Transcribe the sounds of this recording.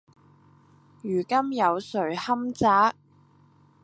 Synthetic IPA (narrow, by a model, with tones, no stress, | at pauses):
jyː˨˩kɐ˥mjɐ˨˧wsɵ˨˩ɥhɐ˥mt͡saː˨˥k̚